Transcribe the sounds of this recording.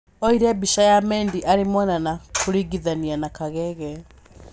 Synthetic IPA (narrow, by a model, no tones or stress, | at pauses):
ɔiɾɛbiʃajamɛːndiʔaɾemɔnanakoɾiɡiðanianakaɣɛɣɛ